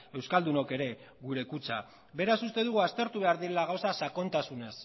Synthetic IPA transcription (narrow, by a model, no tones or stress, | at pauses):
e̞wskald̪uno̞ke̞ɾe̞ | ɣuɾe̞kut͡sa | be̞ɾasust̪e̞ðuɣuast̪e̞ɾt̪uβe̞aɾðiɾe̞laɣawsasako̞nt̪asune̞s